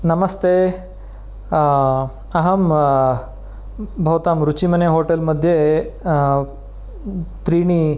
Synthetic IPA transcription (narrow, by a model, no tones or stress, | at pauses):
nɐmɐst̪eː | ɐɦɐm | bʱɐʋt̪aːmɾut͡ʃimɐneɦoːʈelmɐd̪ʱje | t̪ɾiːɳi